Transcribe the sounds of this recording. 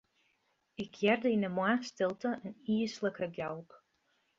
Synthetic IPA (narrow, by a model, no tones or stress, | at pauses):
ɪkʰjɛrdəɪnəmaχstɪlˠtəʔəniəsləkəɡɛlˠp